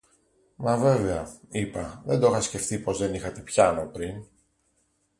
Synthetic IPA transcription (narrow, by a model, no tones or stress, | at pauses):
mɐve̞veɐipɐðe̞nd̪oxɐsce̞ft̪ipo̞zðe̞nixɐt̪e̞pçɐno̞pɾin